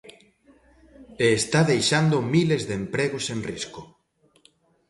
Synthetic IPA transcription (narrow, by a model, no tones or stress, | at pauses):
eːst̪aðejʃand̪omilezðempɾeɣosenrisko